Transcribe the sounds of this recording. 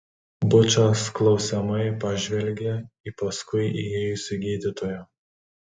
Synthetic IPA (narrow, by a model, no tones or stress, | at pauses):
bʊt͡ʃʲoːsklˠɒʊsʲɛmɐɪpɐʒʲʋʲɛlʲɡʲeipɐskʊɪijeːjʊsʲɪɡʲiːd̪ʲɪt̪oːjɛ